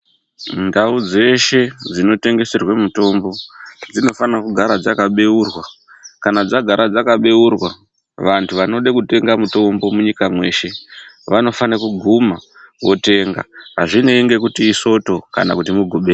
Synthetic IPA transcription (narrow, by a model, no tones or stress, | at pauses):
ndaud͡ze̞ʃe̞d͡zino̞te̞ŋɡe̞se̞rwemuto̞mbo̞d͡zino̞fanakuɡʱaɾad͡zakaɓe̞urwa | kanad͡zaɡʱaɾad͡zakaɓe̞urwa | ʋantʰuʋano̞ɗekute̞ŋɡamuto̞mbomuɲikamwe̞ːʃe̞ | ʋano̞fanakuɡʱuma | wʔo̞te̞ŋɡa̰ɦaʐineŋɡe̞kutiːso̞to̞ka̰nakutimuɡʱuɓeː